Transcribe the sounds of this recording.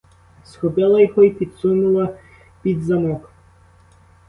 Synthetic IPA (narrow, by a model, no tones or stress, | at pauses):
sxɔpɪlˠɐjɔɦɔipʲid̪sunʊlˠɐ | pʲid̪zɐmɔk